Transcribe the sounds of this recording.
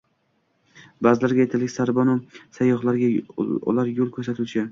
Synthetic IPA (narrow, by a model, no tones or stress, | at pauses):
bazɪlaɾɡʲajet̪ʰalɪkʲsaɾbɒnʊmsajːɒχlˠaɾɡʲa̰ʊ̰laɾjolˠkʲʰɵɾsat̪ʰʊt͡ʃʰɪ